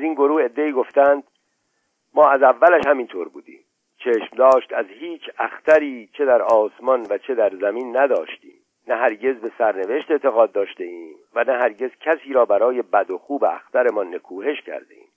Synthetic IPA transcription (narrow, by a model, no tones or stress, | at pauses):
æziːnɡo̞ɾuːhe̞d̪ːe̞iːɡo̞ft̪æːnd̪̥ | mɒːæzævːælæʃhæmint̪ʰoːɾbuːd̪ḭːm | t͡ʃʰe̞ːʃmd̪ɒːʃt̪æzhiːt͡ʃʰæxt̪æɾiːt͡ʃʰe̞d̪æɾɒːsmɒnvæt͡ʃʰe̞d̪æɾzæmiːnːæd̪ɒːʃt̪ḭːm | næɦæɾɟe̞zbe̞sæɾne̞ve̞ʃt̪e̞t̪ʰe̞ɣɒːd̪ːɒːʃt̪e̞iːm | vænæɦæɾɟe̞z̥cʲʰæsiːɾɒːbæɾɒːje̞bæd̪o̞xuːbeæ̰xt̪æɾe̞mɒnːe̞kʰuːhe̞ʃcʰæ̰ɾd̪e̞̰ʔḭːm